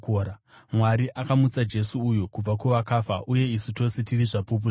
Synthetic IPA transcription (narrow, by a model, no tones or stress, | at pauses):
kːɾa | mwaɾiʔakamut͡sad͡ʒe̞suːjokub͡vakuʋakaːfaʔuje̞isuto̞setiriʐapup̬uʐ